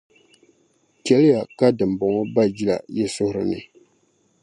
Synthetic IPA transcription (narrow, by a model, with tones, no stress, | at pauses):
kɛ˨lɪ˦ja˨ka˦dɨ˨m˨bɔ˨ŋɔ˦ba˦d͡ʒi˦la̰˨jɛ˦sʊ˦hʊ˦ɾɨ˨nɨ̰˨